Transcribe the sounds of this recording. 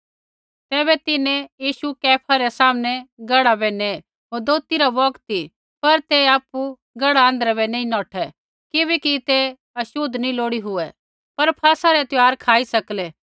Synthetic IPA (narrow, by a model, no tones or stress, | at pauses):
t̪ɛːbɛt̪ɪnɛjiːʃukɛːpʰaɾɛsaːmnɛɡɐɽabɛne | ɦoːɾd̪oːt̪iɾabɔkt̪i | pɐɾt̪eaːpu | ɡɐɽaə̃ːnd̪ɾabɛnẽĩnɔːʈʰɛ | kɪβɛkit̪e | ɐʃʊd̪nĩloːɽiɦʊɛ | pɐɾpʰaːsaɾɛt̪ɪaːɾkʰaːisɐklɛː